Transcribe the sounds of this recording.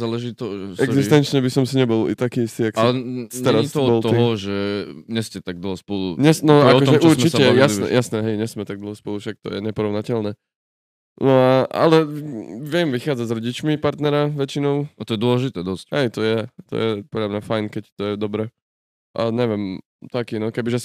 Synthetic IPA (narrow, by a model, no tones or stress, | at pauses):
zaːlɛʒit̪ɔʒɛɛɡzist̪ɛnt͡ʃɲɛbisɔmsiɲɛbɔlḭt̪akiist̪iakaɛɛɾast̪ɔbɔlɔiɦɔʒɛɲɛscɛt̪aɡ̚d̪l̩ˠɦɔspɔluɲɛsnɔaɔʒɛʔuɾsmt͡ʃisɛjasnɛ̰jasnɛɦɛjɲɛsmɛt̪aɡ̚d̪l̩ˠɦɔspɔlufʃak̚t̪ɔ̰jɛɲɛpɔɾɔʊnacɛʎnɛ | nɔaʔa̰lɛʋɪɛmʋixaːd͡zazɾɔɟit͡ʃmipaɾt̪nɛɾaʋɛt͡ʃinɔʊat̪ɔjɛd̪ʊɔlɛʒit̪ɛːd̪ɔscɦɛjt̪ɔjɛt̪ɔ̰jɛpɔdlʎamɲafajnkɛct̪ɔjɛd̪ɔbɾɛ | ʔaɲɛʋɛm | t̪akiːnɔkɛbiʒɛs